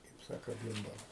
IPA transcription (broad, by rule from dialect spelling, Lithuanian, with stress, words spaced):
kɐɪp ˈsɑːkoː ˈbʲiːmbɐlˠɐ